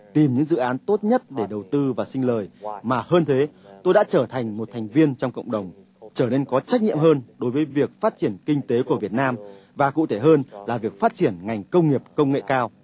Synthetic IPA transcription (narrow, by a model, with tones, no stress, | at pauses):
t̪i˨˩mɲɨ̰˧˥ŋzɨ̰˧˨ʔaː˨˦nt̪o˦˥t̚ɲə˦˥t̚ɗe˧˩ɗə˨˩wt̪ɨ˧vaː˨˩sï˧ŋ̟ləː˨˩jmaː˨˩həː˧nt̪ʰe˨˦t̪o˧jɗa̰ː˧˥t͡ɕəː˧˩t̪ʰa˨˩jŋ̟mo˨˩t̪ʰa˨˩jŋ̟vi˧ənt͡ɕɔ˧wŋ͡mkə̰˧˨wŋ͡mɗə˨˩wŋ͡m | t͡ɕəː˧˩ne˧nkɔ˨˦t͡ɕa˦˥k̟̚ɲḭ˧˨əmɦəː˧nɗo˨˦jvəː˨˦jvi˨˩ək̚faː˦˥t̚t͡ɕi˧˩ənkï˧ŋ̟t̪e˨˦ku˧˩əvi˨˩ət̚naː˧mvaː˨˩kṵ˧˨t̪ʰe˧˩ɦəː˧nlaː˨˩vi˨˩ək̚faː˦˥t̚t͡ɕi˧˩ənŋa˨˩jŋ̟kə˧wŋ͡mŋi˨˩əp̚kə˧wŋ͡mŋḛ˧˨kaː˧w